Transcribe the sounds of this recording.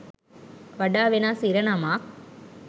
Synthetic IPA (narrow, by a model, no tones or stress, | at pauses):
ʋɐɖaːʋenaːsiɾɐnɐmaːk̚